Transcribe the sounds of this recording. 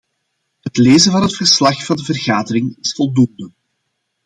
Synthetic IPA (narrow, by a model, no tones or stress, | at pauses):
ɦətleːzənvɑnɦətfərslɑxfɑndəvərɣaːdəɾɪŋɪsfɔlˠdundə